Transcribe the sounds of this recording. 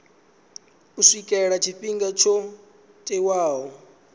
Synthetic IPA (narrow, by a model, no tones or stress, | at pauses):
usikʼɛɺat͡ʃʰiɸiŋɡat͡ʃʰɔ | tʼɛwaːɦɔ